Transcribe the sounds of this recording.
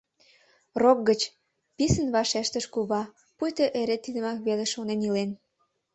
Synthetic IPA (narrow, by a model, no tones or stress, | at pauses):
rok̚ɡət͡ɕ | pisənβɑʃeʃt̪əʃkuβɑ | pujt̪əʔeɾet̪ːid̪ə̆mɑkβeleʃonenilen